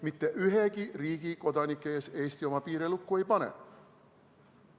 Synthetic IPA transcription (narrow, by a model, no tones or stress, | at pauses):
mit̪ːeʔyɦekiriːkikot̪ɑnikːeːseist̪jomɑpiːɾelukːueipɑnḛ